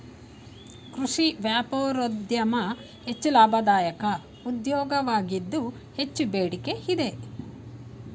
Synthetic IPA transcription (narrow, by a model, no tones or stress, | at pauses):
kɾuʂiʋjaːpoːɾod̪jɐmɐ | he̞t͡ʃːulaːbʱɐd̪aːjɐkɐ | ud̪jɔːɡɐʋaːɡid̪ːu | he̞t͡ʃːubeːɽike̞id̪e̞